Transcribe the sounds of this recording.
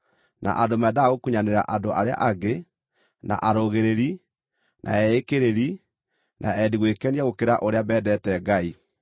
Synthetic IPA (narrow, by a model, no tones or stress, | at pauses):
na̰ʔadomɛdaːɣokuɲaneɾa̰ʔadoʔaɾea̰ʔaɡe | na̰ʔaɾoɣeɾeɾi | nʔa̰ɛekeɾeɾi | nʔaɛdiɣwekɛniaɣokeɾaʔoɾeaβɛːdɛtɛɡai